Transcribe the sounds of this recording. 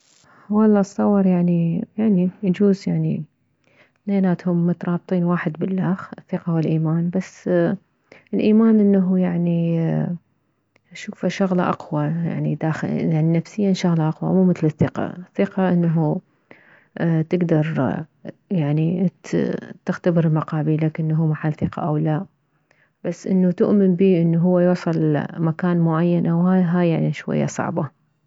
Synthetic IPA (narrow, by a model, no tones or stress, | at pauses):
wɑlˤːɑːsˤːɑwːɑɾˤjaʕnijaʕnijad͡ʒuːzjaʕni | neːnaːt̪hʊmːʊt̪ɾˤɑːb̚t̪ˤiːnwaːħɪd̪bɪlːaːxɪθːɪqɑwɪlʔiːmaːnbasː | ɪlʔiːmaːnʔɪnːaɦujaʕni | ʃuːfaʃʊɣlaʔɑ̰qwɑja̰ʕnḭd̪aːxjaʕninafsɪjːanʃaɣlaʔɑqwa̰muːmɪθlɪθːɪqɑ̰ɪθːɪqɑʔɪnːaɦu | t̪ɪɡd̪ɑɾˤ | jaʕni | t̪ɪxt̪abɪɾmaqɑːbiːlakɪnːɦuːmaħalːθɪqɑ̰ʔawlaː | b̥asːʔɪnːut̪ʊʔmɪnbiːʔɪnːuɦʊwːajuʕsˤɑlmakaːnmʊʕajːanʔawɦaɦajːaʕniʃwa̰jːa̰sˤɑ̰ʕba